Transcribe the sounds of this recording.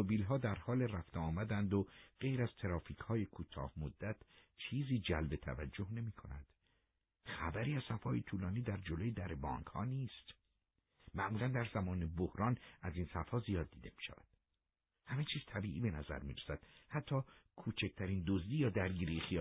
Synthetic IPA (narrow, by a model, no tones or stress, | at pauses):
obiːlɦɒːd̪æɾhɒːleræft̪eɒːmæd̪ænd̪oɢ̥e̞jɾæz̥t̪ʰeɾɒːfiːchɒːjekʰuːt̪ʰɒ̰ːhmod̪ːæt̪ʰ | t͡ʃʰiːziːd͡ʒælbe̞t̪ʰæ̰væd͡ʒːohne̞miːkʰo̞̰næ̰d̪̥ | xæbæɾiːæz̥sæfɒːjet̪ʰuːlɒːniːd̪æɾd͡ʒolojed̪æɾebɒ̰ːŋkhɒ̰ːniːst̪ | mæʔmuːlænd̪æɾzæmɒːnebohɾɒːnʔæziːnsæfhɒːzijɒːd̪ːiːd̪e̞mi̥ːʃæ̰væ̰d̪̥ | hæmet͡ʃʰiːz̥t̪ʰæbiːʔiːbe̞næzæ̰ɾmiːɾæsæd̪̥hæt̪ʰːɒːkʰuːt͡ʃʰec̚t̪ʰæɾiːnd̪ozd̪iːjɒːd̪æɾɡiːɾijexiː